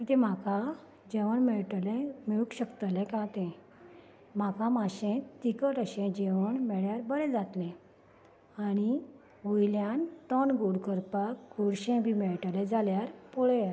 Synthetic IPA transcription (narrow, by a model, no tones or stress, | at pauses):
ĩt̪ɛ̃m̤aka | d͡ʑɛʋəɳmɛɭʈlɛ̃meɭukɕəkt̪əlɛ̃kãt̪ɛ̃ | m̤akãmaɕɛ̃t̪ikəʈəɕɛ̃d͡ʑeʋəɳmɛɭjaɾbəɾɛ̃d͡zat̪lɛ̃ | aɽ̃i | ʋojljãnt̪ɔnɡuɽkəɾpakɡuɽɕɛ̃bʱimɛɭʈəled͡zaljaɾpoɭɛja